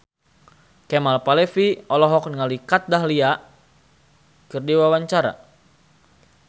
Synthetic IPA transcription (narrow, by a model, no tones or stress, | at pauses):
kɛmalpalɛfiɔlɔɦɔk̚nŋalikat̪̚daɦlia | kərdiwawaɲt͡ʃaɾa̰